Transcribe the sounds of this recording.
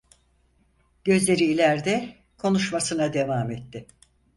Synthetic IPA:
ɟ̥ø̞zlʲe̞ɾiːlʲæɾd̪ɛ | kʰo̞nuʃmasɯnad̪e̞vaːmɛt̪ːɪ

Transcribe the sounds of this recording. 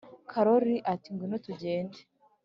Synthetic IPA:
kʰaɾoɾiʔatiŋɡwinotuɟeːnde

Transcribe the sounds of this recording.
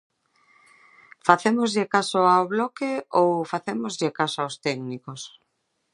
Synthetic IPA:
faθemozʎɪkasoaoβlɔkeowfaθemozʎɪkasoaost̪ɛɡnikos

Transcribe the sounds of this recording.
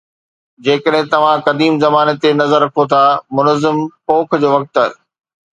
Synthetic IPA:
d͡ʑeːkəɗɦɪ̃t̪ɐʋ̤ãkɐd̪iːmzɐmaːnet̪enɐzəɾːɐkʰot̪ʰamʊnəzɪmpoːkʰd͡ʑoːʋɐk̚t̪ɐ

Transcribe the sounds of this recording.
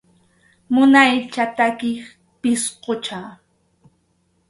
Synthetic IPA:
mʊnajt͡ʃat̪akɪχ | pɪsqot͡ʃa

